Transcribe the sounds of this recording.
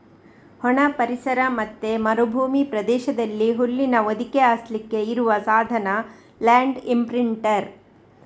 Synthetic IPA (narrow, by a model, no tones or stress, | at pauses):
hɔɳɐpɐɾisɐɾɐmɐt̪ːemɐɾobʱuːmipɾɐd̪ɛːʃɐd̪ɐlːiɦulːinɐʋɐd̪ʱikeaːslikːe̞iɾuʋɐsaːd̪ʱɐnɐ | laːɳɖimpɾiɳʈɐɾ